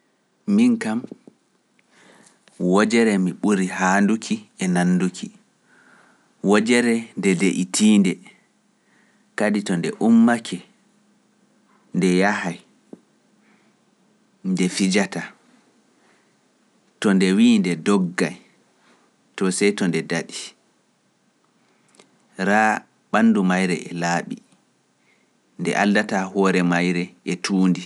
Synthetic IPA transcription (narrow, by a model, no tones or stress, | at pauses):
miŋkam | wɔd͡ʒɛɾɛmiɓuɾihandukʰiɛnanːdukʰi | wɔd͡ʒɛɾɛndɛdeʔitʰiːndɛ | kaditɔndɛ̰ʔumːakʰɛ | ndɛjahaj | ndɛfid͡ʒata | tɔndɛwiːndɛdɔɡːaj | tɔsɛjtɔndɛdaɗi | ɾaː | ɓanːdumajɾɛ̰ʔɛlaːɓi | ndɛ̰ʔaldatahɔːɾɛmajɾɛɛtʰuːndi